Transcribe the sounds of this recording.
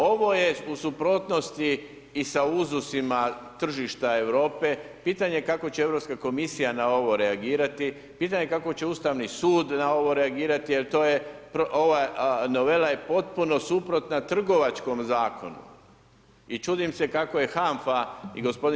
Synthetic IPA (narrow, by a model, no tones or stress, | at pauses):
o̞ʋo̞je̞usupɾo̞ːt̪no̞st̪iː | sauzusimat̪r̩ʒiʃt̪ae̞ʋɾo̞ːpe̞piːt̪aɲe̞kako̞t͡ɕeeʋɾo̞pskako̞misijanao̞ʋo̞ɾe̞aɡiːɾat̪i | piːt̪aɲe̞kako̞t͡ɕe̞uːst̪aʋnisuːd̪nao̞ʋo̞ɾe̞aɡiːɾat̪ijelt̪o̞ːje̞pɾooʋano̞ʋe̞laje̞po̞t̪̚puno̞supɾo̞t̪nat̪r̩ɡo̞ʋat͡ʃko̞mzaːkʰo̞nṵ | it͡ʃuːd̪imse̞kako̞je̞xaɱfaiɡospo̞d̪